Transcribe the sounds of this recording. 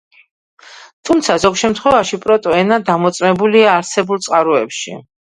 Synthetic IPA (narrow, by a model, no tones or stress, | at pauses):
t̪ʰumt̪sʰazɔɡʃɛmt̪ʰχwɛvaʃipʼɾɔt̪ʼɔɛnad̪amɔt̪sʼmɛbuliaːɾsɛbulˠt̪sʼqʼaɾuɛpʃḭ